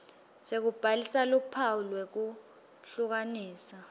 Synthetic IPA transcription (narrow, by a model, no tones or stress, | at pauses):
sek̬ub̥ʱalisalupʰaulwek̬u | ɬuk̬aniːsa